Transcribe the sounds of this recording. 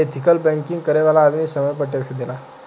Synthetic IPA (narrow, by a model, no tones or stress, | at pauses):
et̪ʰikəlbɛ̃ŋkĩŋɡkəɾeʋalaːd̪misəməjp̬əʈːesed̪ela